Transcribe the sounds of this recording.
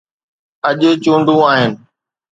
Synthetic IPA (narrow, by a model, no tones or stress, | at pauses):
ɐʄet͡ɕũːɳɖʱũːaːɦɪnɪ̆